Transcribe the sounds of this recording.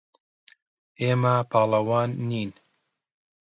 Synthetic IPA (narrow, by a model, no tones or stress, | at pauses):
eːmapʰɑːlˠɐwɑːnːiːn